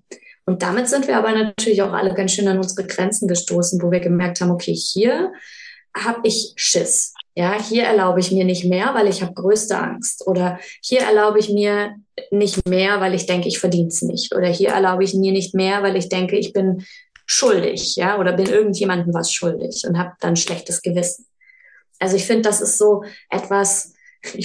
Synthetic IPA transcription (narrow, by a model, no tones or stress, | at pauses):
ʔʊnt̚d̥amɪtz̥ɪntv̥iːɐaːbɐnatʰyːɐlɪçaʊxʔa̰ləɡansʃøːnanʊnzəʁəɡʁɛnt͡sn̩ɡəʃtoːsn̩voːviːɐɡəmɛɐk̚thaːm̩ʔokʰeːhiːɐ | haːbʔɪçʃɪsjaːhiːɐʔɛɐlaʊbəɪçmiːɐnɪçtmeːɐvaɪlɪçhaːbəɡ̥ʁøːstə̰ʔa̰ŋstʔoːɾɐhiːɐʔɛ̰ɐlaʊbəɪçmiːɐnɪçtmeːɐvaɪlɪçd̥ɛŋkəɪçfɛɐdiːnsnɪ̰çtʔo̰ːɾɐhiːɐʔɛ̰ɐlaʊbəɪçmiːɐnɪçtmeːɐvaɪlɪçd̥ɛŋkəɪçb̥ɪnʃʊldɪ̰çjaːʔoːɾɐbɪnʔɪɐɡŋ̩tjeːmandn̩vasʃʊldɪ̰çʔʊnthaːb̚d̥anʃlɛçtəsɡ̥əvɪsn̩ | ʔalzoɪçfɪndəd̥asɪstz̥oːʔɛtv̥as | ʔɪ